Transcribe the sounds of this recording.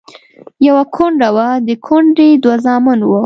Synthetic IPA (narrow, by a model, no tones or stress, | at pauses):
jawakʰoɳɖawad̪əkʰoɳɖed̪wazɑmanwu